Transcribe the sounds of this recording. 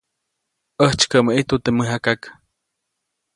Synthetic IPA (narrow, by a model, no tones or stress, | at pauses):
əht͡ʃkəməʔit̪ut̪eməɦakak